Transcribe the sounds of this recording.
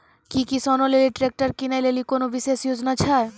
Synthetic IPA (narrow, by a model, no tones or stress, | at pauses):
kikisɔnoleliʈɾek̚ʈaɾkinalelikonobiʃeʃjod͡ʑonat͡ɕʰae